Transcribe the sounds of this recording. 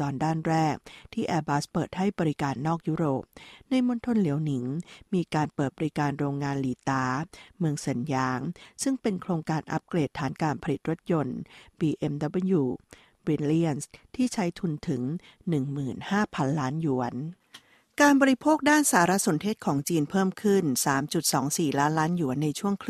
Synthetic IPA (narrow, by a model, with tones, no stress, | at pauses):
ɔː˧ndaː˥˩nɾɛː˥˩k̚t̪ʰiː˥˩ʔɛː˧baː˦˥spɤː˨˩t̪̚ha˥˩jbɔː˧ɾi˦˥kaː˧nːɔː˥˩k̚juː˦˥ɾoː˨˩p̚na˧jmo˧˥nt̪ʰo˧nli˨˩˦əwni˩˦ŋmiː˧kaː˧npɤː˨˩t̪̚bɔː˧ɾi˦˥kaː˧nɾoː˧ŋːaː˧nliː˨˩˦t̪aː˧˥mɯ˧əŋsa˨˩˦njaː˦˥ŋsɯ˥˩ŋpe˧nkʰɾoː˧ŋkaː˧nʔa̰˦˥p̚kleː˨˩t̪ʰːaː˩˦nkaː˧npʰa˧li˨˩t̪̚ɾo˦˥t̪̚jo˧nbiː˧ʔe˧mdɔ˦˥bə˥˩juː˧ | wi˧nli˥˩ənst̪ʰiː˥˩t͡ɕʰa˦˥jt̪ʰu˧nt̪ʰɯ˩˦ŋ | nɯ˨˩ŋmɯː˨˩nhaː˥˩pʰa˧nlaː˦˥nju˩˦ən | kaː˧nbɔː˧ɾi˦˥pʰoː˥˩k̚daː˥˩nsaː˨˩˦ɾa˦˥so˩˦nt̪ʰeː˥˩t̪̚kʰɔː˩˦ŋt͡ɕiː˧npʰɤː˥˩mkʰɯ˥˩nsaː˩˦mt͡ɕu˨˩t̪̚sɔː˩˦ŋsiː˨˩laː˦˥nlaː˦˥nju˨˩˦nːa˧jt͡ɕʰu˥˩əŋkʰ